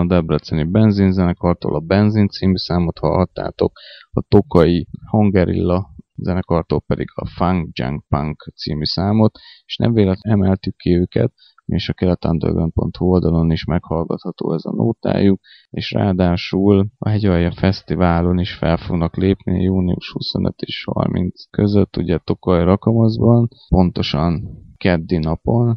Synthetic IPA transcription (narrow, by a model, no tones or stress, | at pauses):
d̪ɛbrɛt̪sɛnibɛnzinzɛnɛkɒrt̪o̰ːlʔɒbɛnzint̪siːmysaːmo̞t̪hɒ̰lɦɒt̪ːa̰ːt̪o̞kɒt̪o̞kɒihoŋɡɛɾḭlːɒzɛnɛkɒrt̪olpɛd̪ḭɡɒ̰faŋɡd͡ʒa̰ŋkpaŋkt̪sḭːmysaːmo̞t̪eʃnɛ̰mveːlɛt̪ɛmɛlt̪ykːiøːkɛ̰t̪ | eːʃɒkɛlɛt̪and̪ø̰rɡɾɛnpo̞̰nt̪huold̪ɒlo̞niʃmɛkhɒlɡɒt̪hɒt̪o̰ːɛzɒno̰ːt̪a̰ːjuk̚ | eːʃra̰ːd̪aːʃulɒ̰ɦɛɟɒjɒfɛst̪ivaːlo̞niʃfɛlfo̞ɡnɒkleːpnijuːniuʃhuso̞nøt̪eːʃhɒ̰rmint̪skø̞zøt̪ːuɟɛt̪o̞kɒjɾɒkɒmɒzbɒn | po̞nt̪o̞ʃɒnkɛd̪ːinɒpo̞n